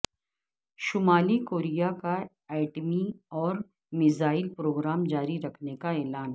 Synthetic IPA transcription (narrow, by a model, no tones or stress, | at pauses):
ʃʊmaːlikoːɾijaka | ɛːɪʈmiɔːɾ | mɪzaːɪlpɾoːɡɾaːmd͡ʒaːɾiɾɐkʰnekaɛːlaːnɦ